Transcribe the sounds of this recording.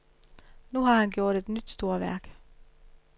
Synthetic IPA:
nuːhɑːhænɡjuːt̪ɛt̪nʏt̪st̪oːɐʋæ̰ːk

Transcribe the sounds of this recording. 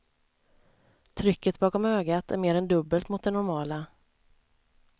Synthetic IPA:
t̪ʰɾʏkːət̪̚bɑːkɔmhøːɡat̪ʰæ̰ɾmeːɾɛnd̪ɵbːəlt̪mʊt̪d̪ɛnʊɾmɑːla

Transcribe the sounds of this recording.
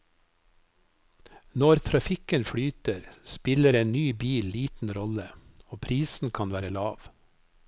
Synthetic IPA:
nɔɾt̪ʰɾɑfɪkənfɽyːt̪əɾspɪləɾeːnnyːbiːlliːt̪n̩ɾɔləoːpʰɾiːsn̩kʰɑnʋæːɾəlɑːʋ

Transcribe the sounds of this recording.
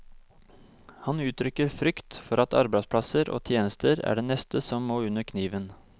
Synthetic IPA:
hɑnʉːt̪ʰɾʏkəɾfɾʏkt̪fɔɾɑt̪ɑ̰ɾbæɪspʰlɑsəɾʔo̰ːt̪ʰjeːnəst̪ʰəɾæ̰ːɖeːnɛst̪əsɔmːoːʉnəɾkʰniːʋən

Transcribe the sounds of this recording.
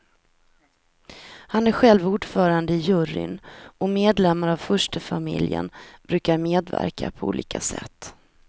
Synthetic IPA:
hanæɾɧɛlvuːɖfœːɾand̪əɪjɵɾɪ̰nɔmeːd̪lɛmːaɾavfœʂʈəfamɪ̰ljə̰nb̥ɾʉ̟ːkaɾmeːd̪væ̰ɾkʰapʰɔṵːliːkʰasɛ̰t̪ː

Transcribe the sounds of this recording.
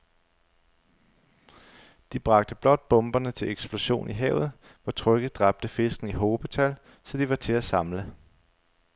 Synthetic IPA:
d̥ib̥ʁɑ̈ɡ̥̚d̥əb̥lɒ̽d̥̚b̥ɔ̽mb̥ɐnət͡sʰe̝leɡ̥sb̥lo̝ɕo̝̰ːniɦɛ̰ʊð̞̩ˠ | ʋɒt͡sʰʁœɡ̥ð̩ˠd̥ʁɑ̈b̥̚d̥əfe̝sɡ̥n̩iɦo̝ːb̥ət͡sʰæl | sɒ̽d̥iʋɑ̈t͡sʰe̝æsɑ̈mlə

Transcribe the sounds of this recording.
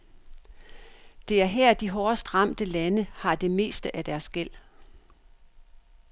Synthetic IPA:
d̥e̝æɐɦɛɐ̰d̥iɦɒːsd̥ʁɑ̈m̰d̥əlænəhɑ̈d̥e̝me̝̰ːsd̥əʔæd̥æɐsɡ̥el̰

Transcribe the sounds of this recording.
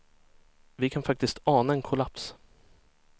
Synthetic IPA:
vɪkʰanfak̚t̪ɪst̪ɑːnaɛnkʰʊlaps

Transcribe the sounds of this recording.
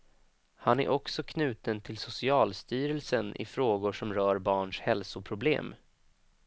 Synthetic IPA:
hanæ̰ɾʔɔksɔkʰnʉ̟ːt̪ənt̪ʰɪlsʊsɪɑːlst̪yːɾəlsənʔɪ̰fɾoːɡʊʂɔmɾœːɾbɑːɳʂhɛlsʊpʰɾʊblḛːm

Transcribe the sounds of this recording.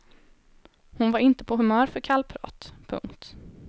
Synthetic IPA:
hʊnvaɾɪnt̪ə̥pʰɔɦɵmœːɾfœɾkʰalpʰɾɑ̰ːt̪pʰɵ̰ŋkt̪

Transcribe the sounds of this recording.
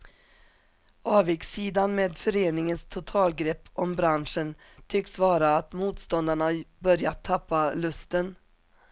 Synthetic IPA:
ɑːvjɪksiːd̪anmeːd̪fœɾeːnɪŋənst̪ʰʊt̪ʰɑːlɡɾɛpːɔmbɾanʂən | t̪ʰʏksvɑːɾaːt̪muːt̪st̪ɔnd̪aɳabœɾjat̪ʰːapːalɵst̪ən

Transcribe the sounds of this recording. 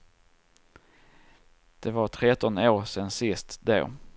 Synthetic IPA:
d̪̥ɛvaʈʰɾɛt̪ɔnoːɾsɛnsɪst̪d̪æ̰ɾ

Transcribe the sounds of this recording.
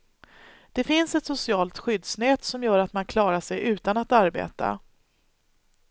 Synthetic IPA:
d̪̥ɛfɪnsɛt̪sʊsɪɑːlt̪ɧʏd̪snɛːt̪sɔmjœːɾat̪mankʰlɑːɾaʂɛjʔʉ̟ːt̪anat̪aɾbḛːt̪a̰

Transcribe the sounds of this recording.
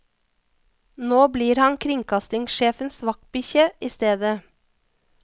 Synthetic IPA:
noːbliːɾhɑnkʰɾɪŋkʰɑst̪ɪŋʃeːfənsʋɑk̚t̪̚bʏçəʔiːst̪eːd̪ə

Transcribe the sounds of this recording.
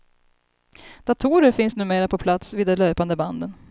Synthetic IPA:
d̪̥at̪ʰuːɾəɾfɪnsnʉ̟ːmeːɾapʰɔpʰlat̪sviːd̪ːɛløːpand̪əband̪ən

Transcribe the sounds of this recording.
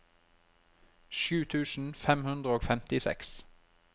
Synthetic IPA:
ʃʉːt̪ʰʉːsn̩fɛmhʉnd̪ʁəoːɡfɛmt̪ɪsɛ̰ks

